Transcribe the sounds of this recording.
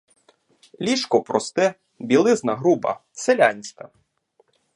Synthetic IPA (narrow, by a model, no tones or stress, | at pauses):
lʲiʃkɔpɾɔst̪ɛ | bʲilˠɪznɐɦɾubɐ̰selʲanʲsʲk̪ɐ